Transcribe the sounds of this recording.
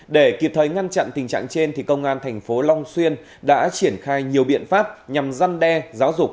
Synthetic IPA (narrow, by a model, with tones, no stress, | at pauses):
ɗe˧˩ki˨˩p̚t̪ʰəː˨˩jŋa˧nt͡ɕa̰˧˨nt̪ï̟˨˩t͡ɕa̰ː˧˨ŋt͡ɕe˧nt̪ʰi˨˩kə˧wŋ͡mʔaː˧nt̪ʰɛ˨˩jŋ̟fo˨˦lɔ˧wŋ͡mswi˧ən | ɗa̰ː˧˥t͡ɕi˧˩ənxaː˧jɲi˨˩əwɓḭ˧˨ənfaː˦˥p̚ɲa˨˩mza˧nɗɛ˧zaː˨˦wzʊ˨˩k͡p̚